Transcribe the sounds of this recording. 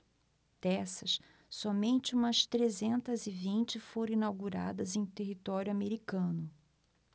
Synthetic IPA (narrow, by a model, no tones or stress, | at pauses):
d̪̥ɛsɐs | sɔmẽnt͡ʃɪũmɐst̪ɾezẽnt̪ɐzɪvĩnt͡ʃɪfoɾ̃ĩnawɡuɾa̰d̪ɐzẽj̃t̪eɦit̪ɔɾjʊameɾikɐ̃nʊ